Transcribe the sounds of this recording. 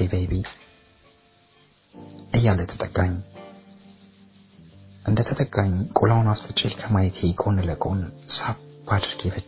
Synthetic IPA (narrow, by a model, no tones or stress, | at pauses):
ebejbi | ʔɨjːalːət̪ʰə̥t̪ʼəkʼːaɲː | ʔɨnd̪ət̪ʰət̪ʼəkʼːaɲkʼulawnaft̪ʰɨt͡ʃʼɪlkʰəmajt̪ʰekʼʰonləkʼo̞nsab̥ad̪ɨɾɡebət͡ʃː